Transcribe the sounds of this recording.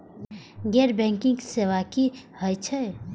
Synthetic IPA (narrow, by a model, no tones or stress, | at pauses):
ɡɛɾbɛ̃ŋkĩŋsewakihəjt͡ʃʰɛ